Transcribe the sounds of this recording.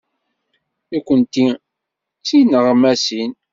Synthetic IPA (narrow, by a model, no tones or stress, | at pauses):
ikʷːənt̪i | t͡sːinəʁmæsin